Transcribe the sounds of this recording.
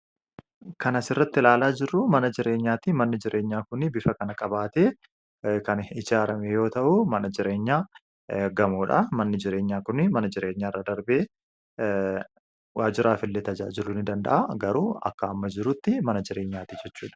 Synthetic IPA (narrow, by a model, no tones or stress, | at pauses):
kɐnɐsɪrːɐt̪ːɪlaːlaːd͡ʒɪrːʊmɐnɐd͡ʒɪɾe̞ːɲːaːt̪imɐnːɪd͡ʒɪɾʔe̞ːɲːaːkʊnɪbɪfɐkɐnɐkʼɐbaːt̪eː | kɐnɪd͡ʒaːɾɐmɛjo̞ːt̪ɐʔʊmɐnɐd͡ʒɪɾe̞ːɲːaː | ɡɐmuːᶑɐ̰mɐnːɪd͡ʒɪɾe̞ːɲːaːkʊnɪmɐnɐd͡ʒɪɾeːɲːaːrːɐd̪ɐɾbeː | waːd͡ʒɪɾaːfɪlːeːt̪ɐd͡ʒaːd͡ʒɪlunɪd̪ɐnd̪ɐ̰ʔaɡɐɾuːɐ̰kːɐɐmːɐd͡ʒɪɾʊt̪ːɪmɐnɐd͡ʒɪɾe̞ːɲːaːt̪id͡ʒɛt͡ʃːuːᶑɐ̥